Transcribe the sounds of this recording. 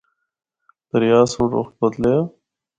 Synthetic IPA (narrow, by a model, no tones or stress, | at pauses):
d̪̥ɐɾjaːsuʈo̰xt̪̚bɐd̪le